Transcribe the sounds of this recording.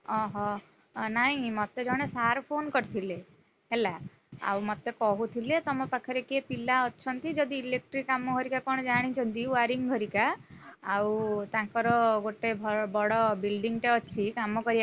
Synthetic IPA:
ɔɦɔ | naɦĩmɔt̪ed͡ʒɔɽ̃esaɾpʰonkɔɾt̪ʰile | ɦela | a̰wmɔt̪ekɔɦut̪ʰilet̪ɔmɔpakʰɔɾekepilaɔt͡ʃʰɔnt̪id͡ʒɔd̪iːlek̚ʈɾikːamɔɡʱɔɾikakɔɽɔd͡ʒaɽ̃it͡ʃʰɔnt̪iaɾiŋɡʱɔɾikaː | wt̪ãkɔɾɔɡoʈebʱɔbɔɽɔbilɖiŋʈeɔt͡ʃʰikamɔkɔɾia

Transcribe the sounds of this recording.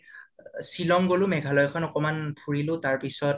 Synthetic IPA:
silɔŋɡolʊmɛɡʱalɔjkʰɔnɔkɔmanpʰuɹilʊtaɹpisɔt

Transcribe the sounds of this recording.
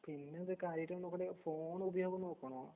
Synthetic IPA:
pinːeoðekaːɾjɐtːɐɐnːokːɐɽefoːɳubɐjo̞ːɡɐmnoːkːɐɳɐa

